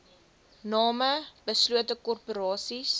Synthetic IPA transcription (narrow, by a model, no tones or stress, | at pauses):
nɑːməbəsluətəkɔrpuɾɑːsis